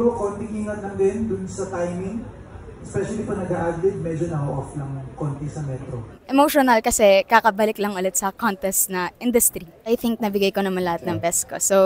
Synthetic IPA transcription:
okont̪ɪŋʔiːŋɐt̪lɐŋd̪ɪnd̪ʊnsɐt̪ajmɪŋ | ʔɛspɛʃɐlipɐnɐɡaʔaɡ̚d̪ɛd̪̚mɛd͡ʒonɐhoʔoflɐŋkont̪ɪsɐmɛt̪ɾoʔɛmoʃonɐlkɐsɛkakɐbalɪklɐŋʊlɛt̪sɐkont̪ɛst̪nɐʔɪnd̪ʊst̪ɾiʔɐjθɪŋk̚nɐbɪɡajkonɐmanlɐhat̪̚nɐŋbɛskoso

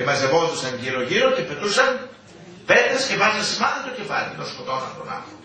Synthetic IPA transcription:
emɐzevoðosɐnʝiɾoʝiɾocepe̞t̪usɐn | vet̪escevɐzɐnsimɐðɐt̪ocefɐlʲinoskot̪onɐ̰tɾonɐ̰

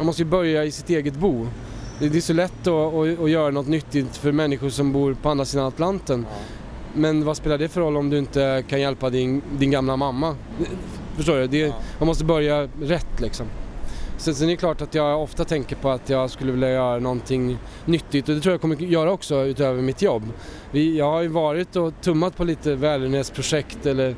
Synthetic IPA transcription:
manmɔst̪əjɵbœɾjaɪsɪt̪eːɡət̪buː | d̪ɛd̪ɛːʂɔlɛt̪ːɔːjœːɾanɔt̪nʏt̪ːɪt̪fœɾmɛnːɪɧʊʂɔmbuːɾpʰɔand̪ɾasiːd̪anat̪lant̪ən | mɛnvaspeːlaɖɛfœɾɔlːɔmd̪ɵɪnt̪əkʰanjɛlpad̪ɪnd̪ɪnɡamlamamːa | ɛ | fœʂ̬ʈoːɾɵd̪ɛjɑmɔst̪əbœɾjaɾɛt̪ːlɪksɔmsɛsɛnɛɾjəkʰlɑːʈat̪jɑːɡɔft̪at̪ʰɛŋkəɾpʰɔat̪jɑːɡskɵlːəvɪljajœːɾanɔnt̪ʰɪŋː | nʏt̪ːɪt̪ːɔd̪ɛt̪ɾuːjakʰɔmːəjœːɾaɔksɔʉ̟ːt̪øːvəɾmɪt̪jɔbː | vɪjɑːɡhaɾjɵvɑːɾɪt̪̚d̪ɔt̪ʰɵmːat̪̚pʰɔliːt̪əvɛːlɪnheːt̪spʰɾʊʂɛkt̪ɛlːəɾ

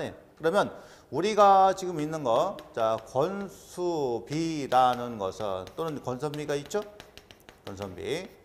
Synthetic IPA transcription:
ɲḛkɯɾʌmjʌn | uɾiɡat͡ɕiɡɯminːɯnɡʌt͡ɕakʌnsʰubiɾanɯnɡʌ̰sʰɯ̰nt͈onɯnkʌnsʰʌmbiɡait̚t͡ɕ͈o | kʌnsʰʌmbḭ

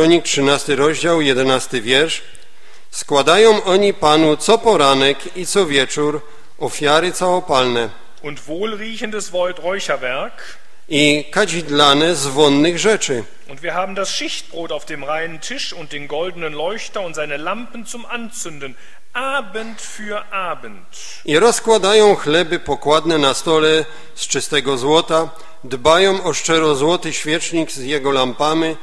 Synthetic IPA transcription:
ɔɲik̚tʂɘnast̪ɘɾɔʑd͡ʑawjɛd̪ɛnast̪ɘvʲjɛɾʂ | skwad̪ajɔ̃w̃ʔɔɲipanut̪sɔpɔɾanɛk | it̪sɔvʲjɛt͡ʂuɾ | ʔɔfʲjaɾɘt̪sawɔpalnɛ | ʔʊntvoːlʁiːçəndəsvɔʏtʁɔʏçɐvɛɐk | ikad͡ʑid̪lanɛzvɔnːɘɣʐɛt͡ʂɘ | ʔʊntv̥iːɐɦaːbm̩dasʃɪçt̚b̥ʁoːtaʊfd̥eːmʁaɪnəntʰɪʂʊnt̚d̥eːnɡɔldənənlɔʏçtɐʊntz̥aɪnəlampn̩t͡sʊmʔant͡sʏndən | ʔaːbəntfyːɐʔaːbənt | ʔiɾɔskwad̪ajɔ̃w̃xlɛbɘpɔkwad̪nɛnast̪ɔlɛ | st͡ʂɨst̪ɛɡɔzwɔt̪a | d̪bajɔ̃w̃ɔʂt͡ʂɛɾɔzwɔt̪ɘɕfʲjɛt͡ʂɲikzjɛɡɔlampami

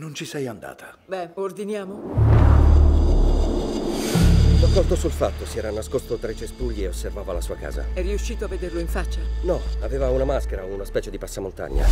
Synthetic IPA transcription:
nont͡ʃisɛjand̪a̰ːt̪ʰḁ | bɛord̪injaːmo | d̪akːɔst̪osulfat̪ːosiɛːɾanaskost̪ot̪ɾet͡ʃesp̪uʎːieosːervaːvalasuːaka̰ːza̰ɛrːiuʃːiːt̪oavːed̪erloiɱfat͡ʃːanɔaveːvaunamaskeɾaounaspɛːt͡ʃed̪ipasːamont̪a̰ɲːa̰

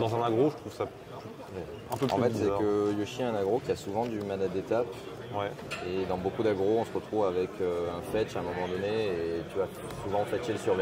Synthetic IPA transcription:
d̪ɑ̃zɛ̃naɡʁoʒət̪χuvsa | py | wɛ | ɛ̃pøɑ̃fɛt̪sɛkəjoʃiɛ̃naɡʁokʲiasuvɑ̃d̪ymad̪ad̪et̪ap | wɛ | ed̪ɑ̃bokud̪aɡʁoɔ̃səʁət̪χuvavɛkʰøɛ̃fɛt͡ʃaɛ̃mɔmɑ̃d̪ɔnet̪ya | suvɑ̃fɛʃeləsyʁvi

